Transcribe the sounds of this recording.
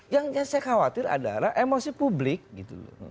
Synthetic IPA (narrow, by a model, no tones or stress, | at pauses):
jaŋjaŋsajaxawat̪ɪɾa̰da̰laʔemosipublɪk̚ɡit̪ulɔ̰